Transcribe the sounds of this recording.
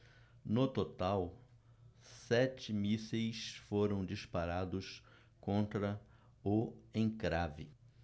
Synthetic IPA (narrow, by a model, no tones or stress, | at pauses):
nʊt̪ot̪aw | sɛt͡ʃɪmisejsfoɾɐ̃w̃d͡ʒispaɾad̪ʊs | kõnt̪ɾɐ | ʊẽkɾavɪ